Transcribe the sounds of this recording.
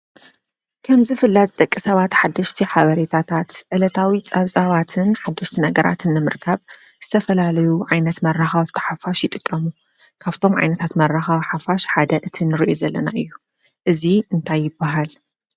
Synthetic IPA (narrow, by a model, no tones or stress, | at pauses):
kʰɐmzɨfɨlːat̪t̪ʼɐkʼːisɐβat̪ħad̪ːɐʃt̪ʰiħaβɐɾet̪ʰat̪ʰat̪ʕɨlɐt̪ʰawit͡sʼɐβsʼɐβat̪ʰɨnħad̪ːɐʃt̪ʰinɐɡɐɾʔa̰t̪ʰɨnːɨmɨɾkʰɐβz̥ɨt̪ʰɐfɐlalɐjuʕajnɐt̪mɐrːaxɐβt̪ʰɐ̥ħafaʃjɪt̪ʼɨkʼːɐmu | kʰaβt̪ʰo̞mʕa̰jnɐt̪ʰat̪mɐrːaxɐβħafaʃħad̪ɐʔɨt̪ʰinɨɾiʔozɐlːɐnaʔɨjːu | ʔɨziɨnt̪ʰajːɪbːaɦal